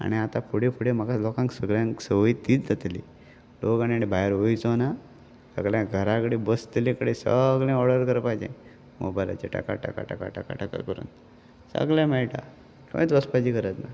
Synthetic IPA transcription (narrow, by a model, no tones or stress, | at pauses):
a̰niat̪apʰuɽepʰuɽem̤əkalɔkãŋksəɡɭjãŋksəʋəit̪ːiːt͡sd͡zat̪lḭ | lokanianibʱajɾʋojt͡sɔna | sə̰ɡljãɡʱəɾakəɽebəst̪lĩkəɽesəɡljẽɔɽəɾkəɾpajd͡ʑḛ̃ | mɔ̰bajla̰t͡ɕeʈa̰ka̰ʈa̰ʈka̰ʈa̰ka̰ʈa̰ka̰ʈaka̰kəɾṵːn | sə̰ɡljãmɛɭʈa̰ | kõ̰ĩt͡səspad͡ʑikəɾət̪na